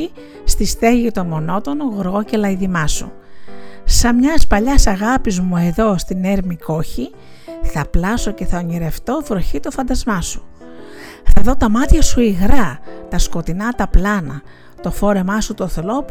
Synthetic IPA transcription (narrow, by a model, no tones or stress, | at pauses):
i | st̪ist̪e̞ʝit̪o̞mo̞no̞t̪o̞noɣoɾɣo̞ce̞lɐiðimɐsu | sɐmɲɐspɐʎɐsɐɣɐpizmue̞ðo̞st̪ine̞ɾmiko̞çi | θɐplɐso̞ce̞θɐoɲiɾe̞ft̪o̞vɾoçit̪ofɐnd̪ɐzmɐsu̥ | θɐðo̞t̪ɐmɐt̪çɐsuiɣɾɐt̪ɐsko̞t̪inɐt̪ɐplɐnɐ | t̪o̞fo̞ɾe̞mɐsut̪oθlo̞